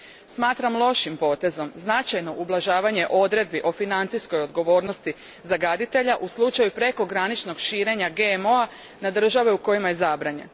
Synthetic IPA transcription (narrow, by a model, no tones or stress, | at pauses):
smaːt̪ɾamlˠo̞ʃimpo̞ːt̪e̞zo̞mznat͡ʃajno̞ʔublˠaʒaːʋaɲe̞ʔo̞d̪ɾe̞d̪̚biʔo̞finant̪sijsko̞jo̞d̪ɡo̞ʋo̞ːɾnost̪i | zaɡad̪it̪e̞ʎaʔuslˠut͡ʃajupɾe̞ko̞ɡɾanit͡ʃno̞ɡʃiːɾe̞ɲaɡe̞mo̞a | nad̪r̩ʒaʋeuko̞jimaje̞zabɾaɲe̞̰n